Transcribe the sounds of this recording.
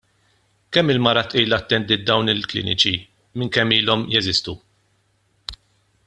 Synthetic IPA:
kɛmːɪlmɐɾɐt̪ʔiːlɐt̪ːɛnd̪ɪːt̪̚d̪ɐwnɪlklɪ̰ːnɪt͡ʃi | mɪŋkɛmːiːlɔmjɛzɪst̪u

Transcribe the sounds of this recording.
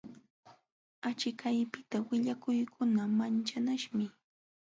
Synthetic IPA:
at͡ʃɪkajpɪt̪awɪʎakʊjkʰʊnamant͡ʃanaʃmɪ

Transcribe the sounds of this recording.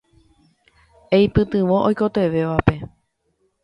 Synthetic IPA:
ejpɨt̪ɨ̃ʋõ̞ʔojko̞t̪e̞ʋe̞ʋape̞

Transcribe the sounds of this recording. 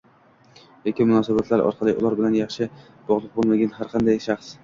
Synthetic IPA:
jekʲɪmʊnɒsabat̪ʰlaɾɒ̰ɾqʰɑlˠɪʔʊlˠɒɾbɪlanjɑχʃɪ | b̥ɒʁlˠɨq̚bolˠmaɡʲanɦaɾqʰɑnd̪ajʃɑχs

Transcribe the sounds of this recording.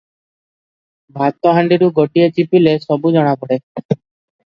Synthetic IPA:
bʱat̪ːɔɦaɳɖiɾuɡɔʈiet͡ʃipilesɔbud͡ʒɔɽ̃abɔɽe

